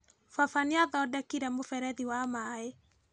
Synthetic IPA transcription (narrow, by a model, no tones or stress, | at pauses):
fafaniaðɔdɛkiɾɛmofɛɾɛðiwamae